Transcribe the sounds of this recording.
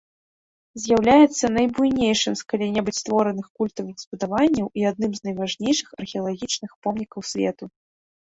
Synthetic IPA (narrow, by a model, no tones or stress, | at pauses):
zʲjawlʲajɛt̪sːɐnɐjbujnʲejʂɨmskalʲinʲɛbut͡sʲst̪vɔɾɐnɨxkulʲt̪ɐvɨxspɐd̪avanʲːɐwʔiad̪̚nɨmznɐjvaʐnʲejʂɨxɐrxʲɛɐlˠaɣʲit͡ʂnɨxpɔmnʲikɐwsʲvʲɛ̰t̪u